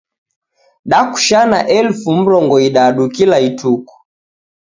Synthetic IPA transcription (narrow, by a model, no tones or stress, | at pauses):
ɗaku̥ʃana̰ʔɛlfum̩ɾɔŋɡɔiɗaɗukilaitʰuku̥